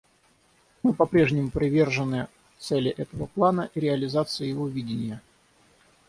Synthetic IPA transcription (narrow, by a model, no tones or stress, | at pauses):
mɨpɐpɾʲe̞ʐnʲɪmʊpɾʲɪvʲe̞rʐɨnːɨ | t̪sɛlʲɪʔɛt̪əvəplˠanəʔiɾʲɪɐlʲɪzat̪sɨjəjɪvovʲidʲɪnʲɪjə